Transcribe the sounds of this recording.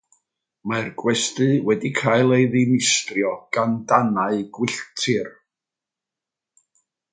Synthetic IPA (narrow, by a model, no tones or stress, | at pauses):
marɡwɛstɨwɛdikʰaːjlˠejðɪnɪstrjɔɡ̥andanaɨɡwɪɬtʰɪr